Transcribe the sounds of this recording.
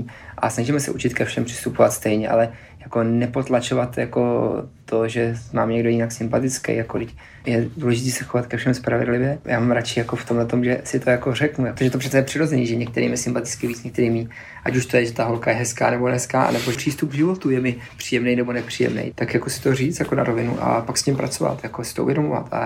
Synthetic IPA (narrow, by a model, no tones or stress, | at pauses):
ʔa̰snaʒimɛsɛ̰ʔut͡ʃɪt̪kɛfʃɛmpr̥ɪ̥st̪upovat̪st̪ɛjɲɛʔa̰lɛ | jako̞nɛpo̞t̪lat͡ʃovat̪jako̞t̪ʰoʒɛmaːmɲɛɡdo̞jɪnaksɪmpat̪ɪt͡skɛ̰jakolɪc | jɛduːlɛʒɪt̪iːsɛxovat̪kɛfʃɛmspɾavɛ̰dlɪvjɛja̰ːmamɾat͡ʃɪjakoft̪omlɛt̪o̞mʒɛsɪt̪ʰo̞jako̞rɛknujapot̪oʒɛt̪oprɛt͡sɛjɛpr̥ɪɾozɛniːʒɛɲɛkt̪ɛɾʔḭːmɪsɪmpat̪ɪ̥t͡skɪviːt͡sɲɛk̚t̪ɛɾiːmiː | ʔacuʃt̪ojɛʒɛt̪aɦo̞lkajɛɦɛska̰ːnɛbo̞nɛskaːʔa̰nɛbopr̥iːst̪up̚ɡʒɪvo̞t̪ujɛmɪpr̥iːjɛmnɛjnɛbonɛpr̝̥iːjɛ̰mnɛ̰jt̪akjakosɪ̥t̪o̞riːt͡sjakona̰ɾovɪnṵʔa̰pakscɪmpɾa̰t͡so̞va̰t̪jakosɪ̥t̪oʔṵvjɛdomova̰t̪a̰